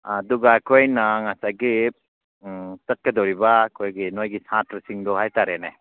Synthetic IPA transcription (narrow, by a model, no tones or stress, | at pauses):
aduɡakʰojnaŋasaɡi | sɐt̚kɐdoɾibakʰojɡinojɡisãtɾɐsiŋdɔɦajtaɾene